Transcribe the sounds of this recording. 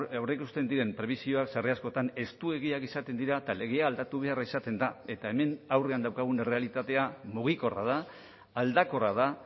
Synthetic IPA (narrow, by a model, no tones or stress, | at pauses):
awrekust̪e̞nd̪iɾe̞mpɾe̞βisio̞aksareasko̞t̪ane̞st̪ue̞ɣ̞iakisat̪e̞nd̪iɾat̪ale̞ɣe̞aːld̪at̪uβ̞e̞aɾraisat̪e̞nd̪ae̞t̪ae̞me̞nawre̞and̪awkaɣ̞unere̞alit̪at̪e̞amuɣ̞iko̞ra̰ð̞aː | ld̪ako̞rað̞a